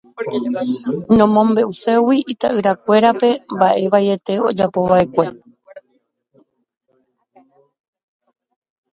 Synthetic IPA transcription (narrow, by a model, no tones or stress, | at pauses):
nõ̞mõ̞mbe̞ʔuse̞wiit̪aʔɨɾakʷe̞ɾape̞mbaʔe̞ʋaje̞t̪e̞o̞d͡ʒapo̞ʋae̞kʷe̞